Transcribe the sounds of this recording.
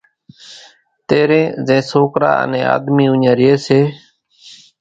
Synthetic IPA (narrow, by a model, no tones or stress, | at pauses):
t̪eːɾẽːzẽːsoːkɾa̰ːə̰nẽːa̰ːd̪miːʊnjãːɾɪeːseː